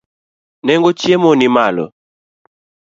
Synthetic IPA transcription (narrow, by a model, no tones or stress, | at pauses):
nɛŋɡɔt͡ʃiɛmɔnimalɔ̰